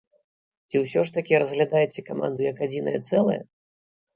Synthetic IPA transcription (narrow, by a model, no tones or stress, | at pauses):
t͡sʲiwsʲɔʂt̪ɐkʲiɾɐzɣlʲad̪ajɛt͡sʲɛkama̰nd̪ujɐkad͡zʲinɐ̰jɛt̪sɛlˠɐ̰jɐ̰